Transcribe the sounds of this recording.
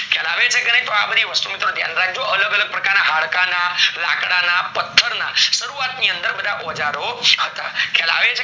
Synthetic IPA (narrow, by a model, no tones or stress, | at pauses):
kʰɛlaʋet͡ʃʰekenəjt̪oabəd̪ʱiʋəst̪umit̪ɾot̪ja̰nɾaɡ̚d͡ʒoələɡələɡ̚pɾəkaɾnaɦaɭkanala̰kɽanapət̪ʰːəɾnaʃəɾuat̪niənd̪əɾbəd̪ʱaʔɔd͡ʒaɾohət̪a̰kʰɛla̰ʋet͡ʃʰe